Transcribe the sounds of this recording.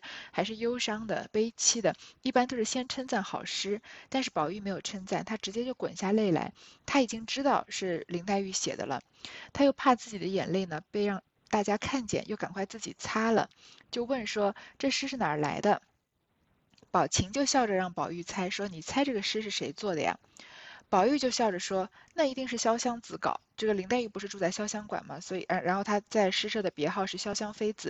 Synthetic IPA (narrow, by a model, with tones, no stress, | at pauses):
xa˧˥ɪʂ̬ɻ̩˥˩jo˥ʊʂɑ˥ŋd̪ə̰˨pe˥ɪt͡ɕʰi˥d̪ə˨i˥˩pa˥nt̪o˥ʂ̩˥˩ɕjɛ˥nʈ͡ʂʰə˥nt͡sa˥˩nxɑ̰˨˩ʊʂɻ̩˥t̪a˥˧nʂɻ̩˥˩pɑ˨˩ʊy˥˩me˧˥ɪjo˨˩ʊʈ͡ʂʰə˥nt͡sa˥˩nt̪ʰa˥ʈ͡ʂɻ̩˧˥t͡ɕjɛ˥t͡ɕjo˥˩ʊkwə̰˨˩nɕja˥˧le˥˩ɪla̰˧˥ɪt̪ʰa˥i˨˩t͡ɕi˥ŋʈ͡ʂɻ̩˥t̪ɑ˥˧ʊʂɻ̩˥˩li˧˥ŋt̪a˥˧ɪy˥˩ɕjɛ̰˨˩d̪ə̰˦lə̰˧ | t̪ʰa˥jo˥˧ʊpʰa˥˧t͡sɹ̩˥˩t͡ɕi˨˩d̪ə˦jɛ̰˨˩nle˥˩ɪnə˩pe˥˧ɪɻɑ˥˧ŋ | t̪a˥˩t͡ɕja˥kʰa˥˩nt͡ɕjɛ̰˥˩njo˥˩ka˨˩nkʰwa˥˧ɪt͡sɹ̩˥˩t͡ɕi˨˩t͡sʰa˥lə̰˨t͡ɕjo˥˧ʊwə˥˩nʂwɔ˥ʈ͡ʂɤ˥˩ʂɻ̩˥ʂɻ̩˥˩na̰˨˩la̰˧˥ɪd̪ə˧ | pɑ˨˩ʊt͡ɕʰi˧˥ŋt͡ɕjo˥˧ʊɕjɑ˥˩ʊə˩ɻɑ˥˩ŋpɑ˨˩ʊy˥˩t͡sʰa˥ɪʂwɔ˥ni˨˩t͡sʰa˥ɪʈ͡ʂɤ˥˩ɡə˩ʂɻ̩˥ʂɻ̩˥˩ʂe˧˥ɪt͡swɔ˥˩d̪ə̰˩jɑ̰˩pɑ˨˩ʊy˥˧t͡ɕjo˥˧ʊɕjɑ˥˩ʊʈ͡ʂə˨˩ʂwɔ˥ | na˥˩i˧˥t̪i˥˧ŋʂɻ̩˥˩ɕjɑ˥ʊɕjɑ˥ŋt͡sɹ̩˧˥kɑ̰˨˩˦ʊʈ͡ʂɤ˥˩ɡə˩li˧˥ŋt̪a˥˧ɪy˥˩pu˧˥ʂɻ̩˥˧ʈ͡ʂu˥˧t͡sa˥˩ɪɕjɑ˥ʊɕjɑ˥ŋkwa̰˨˩nmɐ˦swɔ˧˥ḭ˨˩a˧˥ɻa̰˧˥nxo˥˩ʊt̪ʰa˥t͡sa˥˩ɪʂɻ̩˥ʂɤ˥˩d̪ə˩pjɛ˧˥xɑ˥˧ʊʂɻ̩˥˩ɕjɑ˥ʊɕjɑ˥ŋfe˥ɪd͡zɹ̩˨˩˦